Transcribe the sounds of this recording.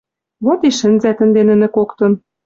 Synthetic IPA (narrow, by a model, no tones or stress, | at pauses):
βot̪iʃɘ̆nzæt̪ə̆nd̪enɘ̆nɘ̆kokt̪ɤ̆n